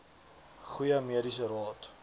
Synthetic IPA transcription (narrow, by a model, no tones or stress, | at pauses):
χujəmiədisərɑːt